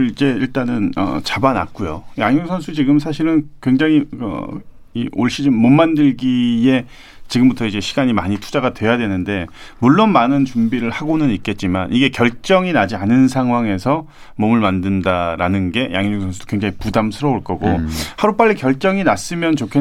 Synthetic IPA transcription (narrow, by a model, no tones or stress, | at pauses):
id͡ʑe̞iɭt͈anɯnʌ̰t͡ɕabana̰t̚k͈ujo̰jaŋuŋsʰʌnsʰut͡ɕiɡɯms̬ʰaɕ̬ʰiɾɯnkwe̞ŋd͡ʑaŋikʌ̰ | ḭoɭɕ͈ʰid͡ʑimːʌmmandɯɭɡije̞ | t͡ɕiɡɯmbutʰʌid͡ʑe̞ɕʰi̥ɡaɲimaɲitʰu̥d͡ʑaɡatwe̞jadwe̞nɯnde̞muɭːonmanɯnt͡ɕumbiɾɯɭhaɡonɯnik͈e̞t̚t͡ɕ͈ima̰nʔiɡe̞kjʌɭt͡ɕ͈ʌŋinad͡ʑianɯns̬ʰaŋɦwaŋe̞sʰʌ | mʌmɯɭmandɯndaɾanɯnɡe̞ja̰ŋjŋoŋsʰʌnsʰud̥o̥kweŋd͡ʑaŋipudamsʰɯɾʌoɭk͈ʌɡohaɾup͈aʎːikjʌɭt͡ɕ͈ʌŋinas͈ɯmjʌnt͡ɕokʰe